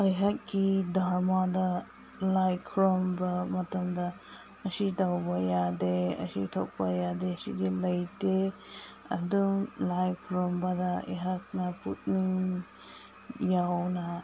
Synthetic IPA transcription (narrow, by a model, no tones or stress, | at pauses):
ɐjɦat̚ɡidaɾmadɐ | lajkʰɾombɐmɐtɐmdɐ | ɐsidawbɐjadeɐ̰sḭtʰo̰k̚pɐjadesidilɐjde | ɐ̰dumlajkʰɾɔmbɐdɐɐ̰jɦat̚nɐput̚niŋ | jawnɐ